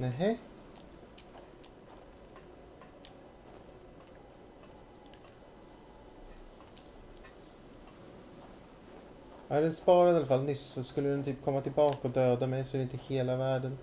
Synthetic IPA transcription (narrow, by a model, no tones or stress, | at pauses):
nɛɦe | æːɾɛnspɑːɾəd̪ɑləfɑlnʏssɔskʉlːəʉnt̪ʰyːpkʰɔmət̪ʰɪlbɑːkəoːd̪øːd̪əmɛsʉnɪt̪ɪheːləʋæɖən